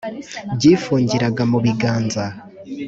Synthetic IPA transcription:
bɟiːfuːɲɟiɾaɡamuβiɡaːnza

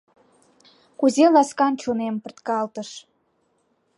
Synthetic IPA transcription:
kuzelɑskɑnt͡ɕonempə̆rt̪kɑlt̪əʃ

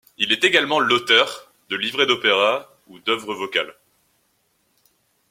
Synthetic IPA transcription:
ilɛt̪eɡalmɑ̃lot̪œʁ | d̪əlivʁed̪opeʁa | ud̪œvʁəvɔka̰l

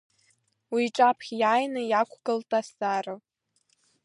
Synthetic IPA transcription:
wiʈ͡ʂʼapʰχʲjaːjnɨjakʷʰɡəltʼasarɨ

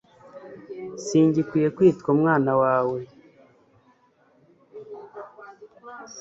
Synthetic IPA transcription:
siːɲɟikwijekwiːtkomŋaːnawaːwe

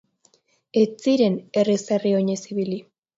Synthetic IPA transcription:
et͡siɾe̞ne̞riserio̞ɲesiβili

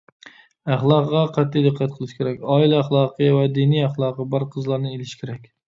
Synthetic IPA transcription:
æχlˠɑqʁɑqʰæt̪ʰːid̪ɨqʰːæt̪̚qʰəlˠɨʃkʲʰeɾɛkʲɑːilæχlˠɑːqʰijwɛd̪iniæχlˠɑːqəbɑɾqʰəzlˠɑɾnɨelɪʃkʲʰeɾɛkʲ

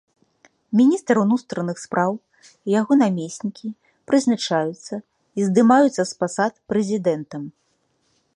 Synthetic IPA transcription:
mʲinʲist̪ɾunust̪ɾɐnɨxspɾʔaw | ijaɣɔnamʲesʲnʲikʲi | pɾɨznat͡ʂajut̪sːɐ | izd̪ɨmajut̪sːɐspasat̪pɾɛzʲid̪ɛnt̪ɐm

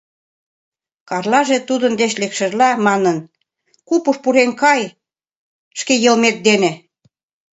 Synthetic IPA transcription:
kɑrlɑʒet̪ud̪ənd̪eʃlekʃə̆ʒlæmɑnən | kupuʃpuɾeŋkɑj | ʃkejɤ̆lmet̪̚d̪enĕ

